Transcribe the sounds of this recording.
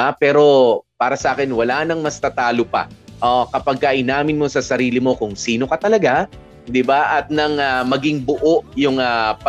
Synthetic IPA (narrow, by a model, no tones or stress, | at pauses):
apɛːɾo̞paːɾɐsɐʔaːkɛnwɐlanɐŋmɐst̪ɐt̪aːlopɐ̰ʔokɐpɐɡ̚kɐʔɪnaːmɪnmo̞sɐsɐɾiːlɪmo̞kʊŋsiːno̞kɐt̪ɐlɐɡa | d̪ɪbaʔɐt̪̚nɐŋamɐɡɪŋbʊʔoʔjʊŋapɐ